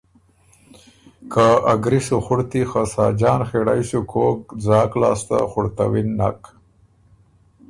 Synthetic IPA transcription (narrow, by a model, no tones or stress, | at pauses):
kaaɡɾiʂuxʊɽt̪ixasɑːd͡ʒɑːnxeɽajsukʰoːk̚d͡zɑːklɑ̰ːst̪a̰xʊɽt̪awinːa̰k